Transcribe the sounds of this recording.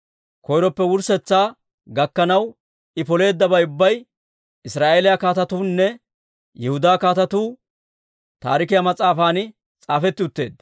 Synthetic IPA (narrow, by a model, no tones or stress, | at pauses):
kɔjɾɔpːɛwʊɾsɛt͡sːaː | ɡɐkːɐnɐw | ʔɪpɔle̞ːd̪ːɐbɐjʊbːɐj | ɪsɾaːʔelɪjɐkaːt̪ɐt̪uːnːɛ | jɛhʊd̪aːkaːt̪ɐt̪uː | t̪a̰ːɾɪk̬ɪjamɐt͡sʼaːfaːnɪ | t͡sʼaːfɛt̪ːɪʊt̪ːe̞ːd̪